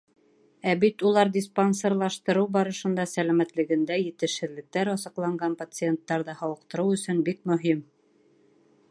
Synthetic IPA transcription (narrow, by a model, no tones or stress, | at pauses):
æbit̪ulˠɑɾd̪ʲisponsoɾlˠɑʃt̪ɤ̆ɾɤwbɒɾɤ̆ʃɤ̆nd̪ɑsælæmæt̪lɘ̆ɡɘ̆nd̪æjɘ̆t̪ɘ̆ʃhɘ̆ðlɘ̆k̚t̪æɾɑsɤ̆qlˠɑɴɢɑnpat̪sɨent̪ːɑɾðɤhɑwɤ̆qt̪ɤ̆ɾɤwɵ̆sɵnbik̚mɵ̆ɦim